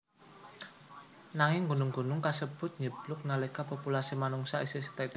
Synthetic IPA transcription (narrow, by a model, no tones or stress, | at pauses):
naŋɪŋɡunʊŋɡṳnʊŋkasəb̥ʊ̤t̪̚ɲəb̥lʊk̚nalekapopulasimanuŋsaisisə̥t̪ɛt̪